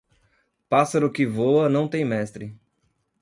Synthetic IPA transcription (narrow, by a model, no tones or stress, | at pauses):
pasɐɾʊkɪvoɐnɐ̃w̃t̪ẽj̃mɛst̪ɾɪ